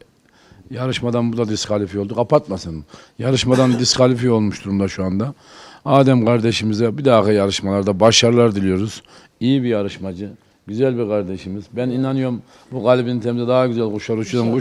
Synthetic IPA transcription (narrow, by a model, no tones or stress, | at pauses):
jaɾɯʃmad̪anbud̪ad̪iskʰalʲifijo̞lˠd̪uqʰapat̪masɯnjaɾɯʃmad̪and̪iskʰalʲifijo̞lˠmuʃt̪ʰuɾumd̪aʃuand̪a | aːd̪ɛmkʰaɾd̪eʃimizɛbid̪aːxajaɾɯʃmalˠaɾd̪abaʃaɾlˠaɾd̪ilʲijo̞ɾuz̥ | ijibijaɾɯʃmad͡ʒɯ | ɟyzælʲbikʰaɾd̪eʃimizbæninanɯjo̞ɾm | buɡaːlʲibinint̪ʰemizɛd̪aɦaɟyzælʲɡoʃaɾut͡ʃʰud̪anɡo